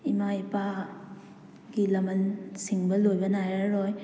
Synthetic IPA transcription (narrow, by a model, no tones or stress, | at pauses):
imaipa | ɡilɐmɐnsiŋbɐlojbɐnajaɾoj